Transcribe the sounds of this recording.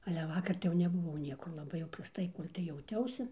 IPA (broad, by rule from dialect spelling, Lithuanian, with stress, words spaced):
ɐlʲɛ ˈʋɑːkɐr tɐɪ jɛʊ nʲɛbʊˈʋɐʊ ˈnʲiɛkʊr lˠɐˈbɐɪ jɛʊ prɐsˈtɐɪ ˈkoːlʲ tɐɪ jɛʊˈtʲɛʊsʲɪ